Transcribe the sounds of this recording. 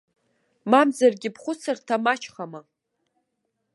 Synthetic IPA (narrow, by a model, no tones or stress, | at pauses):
mamzarɡʲɪpʰχʷʊt͡sʰartʰamat͡ʃʰχama